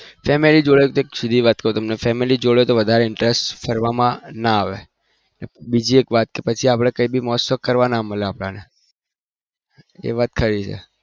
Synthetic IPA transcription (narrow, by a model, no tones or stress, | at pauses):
fɛmelid͡ʒoɭjt̪oeksʊd̪ʱiʋat̪̚kəɾũt̪əmnefɛmilid͡ʒoɭet̪oʋəd̪ʱaɾeɪɳʈɾesʈfʰəɾʋamãnaːʋe | nebid͡ʒiekʋat̪kepət͡ʃʰiapɽ̃ekəibʱimɔɦəsəkːəɾʋanaməleapɽ̃ane | ḛʋat̪̚kʰəɾit͡ʃʰḛ